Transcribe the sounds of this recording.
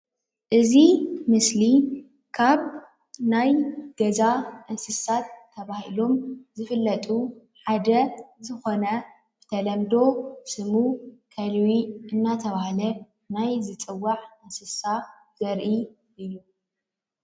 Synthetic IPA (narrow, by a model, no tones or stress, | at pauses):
ʔɨzimɨsli | kʰaβ | najɡ̥ɐzaʔɨnsɨsat̪ʰːɐβahilo̞mzɨfɨlːɐt̪ʼu | ħad̪ɐzɨxo̞nɐ | b̥ɨ̥t̪ʰɐlɐmd̪o̞sɨmukʰɐlwiʔɨnːat̪ʰɐβahlɐ | najzɨt͡sʼɨwːaʕɨnsɨsa | z̥ɐɾʔi | ʔɨju